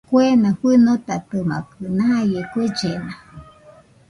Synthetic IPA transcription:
kuenãɸɨnot̪at̪ɨma̰kɨnãjekud͡ʒena

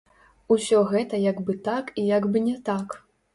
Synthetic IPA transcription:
usʲɔɣɛt̪ɐjaɡbɨt̪akijaɡbɨnʲɛt̪ak

